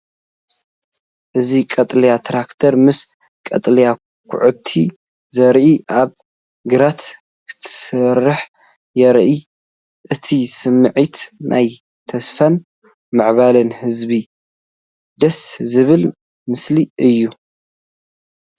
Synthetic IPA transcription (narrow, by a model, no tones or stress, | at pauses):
ʔɨzikʼɐt̪ʼlijat̪ʰɾakt̪ʰɐɾmɨs | kʼɐt̪ʼlija | kʰʊ̰ʕɨt̪ʰːi | zɐɾʔiʔaβ | ɡɨɾat̪ | kʰɨ̥t̪ʰɨ̥sɨɾːɨħ | jɛɾʔi | ʔɨt̪ʰisɨmːɨʕit̪nʔa̰j | t̪ʰɐsfan | maʕβalɐnhɨzbi | d̪ɐszɨβɨl | mɨsliɨjːu